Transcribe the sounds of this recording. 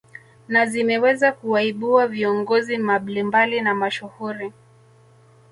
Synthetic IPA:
nazimɛwɛzakuaiɓuwaviɔŋɡɔzimaɓlimbalinamaʃuhuɾi

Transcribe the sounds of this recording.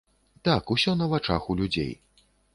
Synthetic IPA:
t̪akusʲɔnɐvat͡ʂa̰xulʲud͡zʲḛj

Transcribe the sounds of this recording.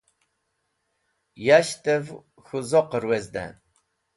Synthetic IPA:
jaɕt̪ʼɛv | xuzɔqəɾwɛzd̪æ̰

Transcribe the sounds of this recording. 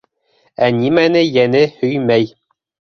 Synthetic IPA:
ænʲimænɘjænɘhɵjmæj

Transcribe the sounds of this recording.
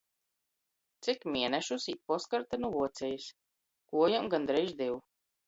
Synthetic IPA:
t̪sikmʲiɛnɛʃusit̪̚pɔskaɾt̪anuvuɔt̪sʲɛjis | kuɔjamɡand̪ɾɛjʒd̪iw

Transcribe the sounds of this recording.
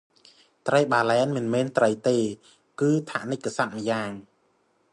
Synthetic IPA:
t̪rəjɓaːlɛːnmɨnmɛːnt̪rəjt̪eː | kɨːt̪ʰa̰ʔnɨc̚kːasat̪̚məjaːŋ

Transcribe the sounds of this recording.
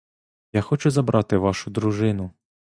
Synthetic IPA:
jaxɔt͡ʃʊzɐbɾʔɑt̪ɪʋɑʃʊd̪ɾuʒɪnʊ

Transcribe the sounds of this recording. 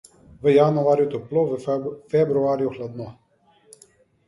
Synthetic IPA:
ʋəjanuaːɾjut̪ɔploʋəfɛbɾuaːɾjuxlad̪nɔ

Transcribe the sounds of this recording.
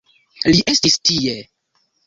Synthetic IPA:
liʔe̞stistie

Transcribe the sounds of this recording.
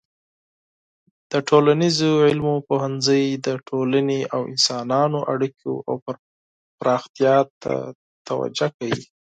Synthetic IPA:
d̪̥əʈʰolanizoʕɪlmopoɦanzəjd̪əʈʰolaneawɪ̰nsɑnɑnoʔaɽiko̰ʔa̰w | pɾɑxt̪ijɑt̪a̰ | t̪awa̰d͡ʒakawi

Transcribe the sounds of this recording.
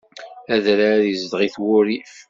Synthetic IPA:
æðɾaɾjəzd̪ʁiθwʊɾi

